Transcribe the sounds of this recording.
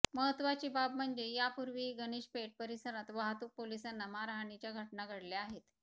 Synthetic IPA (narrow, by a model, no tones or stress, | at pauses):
məɦət̪ʋat͡ɕiːbabm̤əɳd͡zejapuɾʋiɡəɽ̃iːɕpeʈ̚pəɾisəɾat̪ʋaɦt̪uːk̚polisanːamaɾaɦɳit͡ɕjaɡʱəʈnaɡʱəɽleaɦet̪